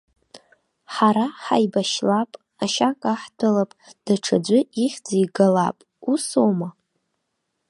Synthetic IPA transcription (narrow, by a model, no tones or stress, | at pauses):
ħaɾaħa̰jbaʃlapʼ | aʃakʼaħdalapʼd̥aʈ͡ʂʰad͡ʒʷʊiχʲd͡zajɡalapʼ | usowma